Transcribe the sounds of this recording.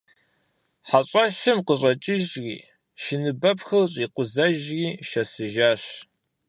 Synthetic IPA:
ħaɕʼɐɕɨmqəɕʼɐt͡ʃʼɪʒɣḭː | ʃɪnɨbɐpxɐrɕʼiːqʷʊzɐʒɣiːʃɐsɨʒaːɕ

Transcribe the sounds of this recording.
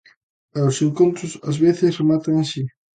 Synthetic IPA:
aoseŋkont̪ɾʊsa̰zβeθesremat̪aŋẽnsi

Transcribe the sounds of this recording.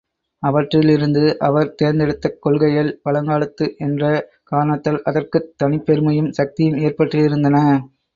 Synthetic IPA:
ɐʋɐʈrɪlɪɾɯnd̪ɯʔɐʋɐɾt̪eːɾnd̪ɛɽɯt̪ːɐkːɔɭɣɐjɐlpɐlɐŋɡaːɭɐt̪ːɯʔɛndrɐ | kaːnɐt̪ːɐlʔɐðɐrkɯt̪ːɐnɪpːɛɾɯmɐjɯmsɐk̚t̪ɪjɯmeːrpɐʈrɯɪɾɯnd̪ɐnɐ

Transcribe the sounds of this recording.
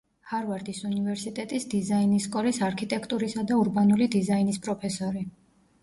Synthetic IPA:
haɾvaɾd̪isunivɛɾsit̪ʼɛt̪ʼisd̪izainisːkʼɔlisaɾkʰit̪ʼɛkʰt̪ʼuɾisad̪auɾbanulid̪izainispʼɾɔpʰɛsɔɾi

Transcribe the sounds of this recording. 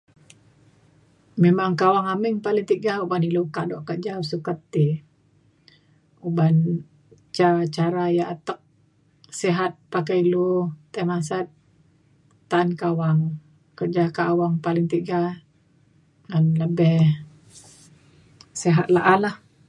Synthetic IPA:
memaŋkawaŋamiŋpalɪŋt̪iɡaubanilukaʔdɔʔkəd͡ʒausukət̪ːi | uban | t͡ʃat͡ʃaɾajaʔat̪ək̚ | sɛɦat̪̚pakailut̪amas̬at̪̚ | aːnkawaŋ | kərd͡ʒakaʔːwaŋpalɪŋt̪iɡa | ŋanləbɛh | sɛɦat̪̚laʔalah

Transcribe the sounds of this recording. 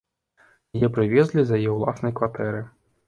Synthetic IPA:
jɛpɾɨvʲɛzʲlʲizɐjɐjɛwlˠasnɐjkvat̪ɛɾɨ

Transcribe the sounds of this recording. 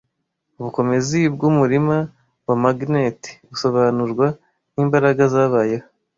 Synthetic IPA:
uβuko̞me̞zibɡumuɾima | bwamaɡneti̥βuso̞βanuɾɡwa | niːmbaɾaɡazaːβaːjeho

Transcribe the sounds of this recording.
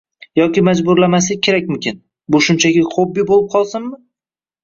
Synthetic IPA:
jɒkʲɪmad͡ʒbʊɾlamasɪkʲʰe̞ɾakʲmʊmkʲɪn | bʊʃʊnt͡ʃʰaɡʲɪχobːibolˠɪp̚qʰɒlˠsɪnːɪ

